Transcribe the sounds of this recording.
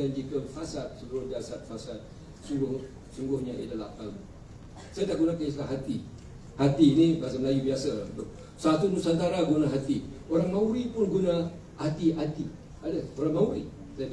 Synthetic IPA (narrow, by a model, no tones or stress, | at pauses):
and͡ʒikəfasat̪̚subuɾʊhdiasat̪̚fasat̪̚ | suɾʊh | suŋɡʊhɲaʔidalahkamu | sajataʔɡunakaislaɦat̪i | hat̪iːnĩbaas̬əməlajubiasət̪ʊ | sat̪udusant̪aɾaɡunaɦat̪ioɾaŋmauɾipʊnɡuna | hat̪iʔat̪i | adəsoɾaŋmauɾi | saja